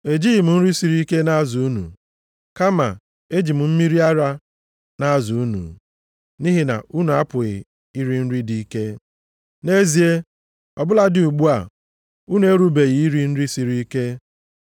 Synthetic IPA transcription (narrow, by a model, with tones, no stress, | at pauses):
e˨d͡ʒi˦˨m̩˨n̩˦ɾi˦si˨ɾi˦ke˦na˦zu˨u˦nṵ˨ | ka˦ma̰˨ | e˦d͡ʒi˨m̩˨m̩˦mi˦ɾi˦a˦ɾa˦ | na˦zu˨u˦nṵ˨ | ni˦ɦi˦na̰˨ʔu˦nu˨a˦pʊ˨ɣɪ˨ | i˦ɾi˦n̩˦ɾi˦di˨i˦ke˦ | ne˦zi˨e˦ | ɔ˨bʊ˦la˦dɪ˨u˨ɡ͡bu˦a˨ | u˦nu˨˦e˦ɾu˦be˨ɣi˨i˦ɾi˦n̩˦ɾi˦si˨ɾi˦i˦ke˦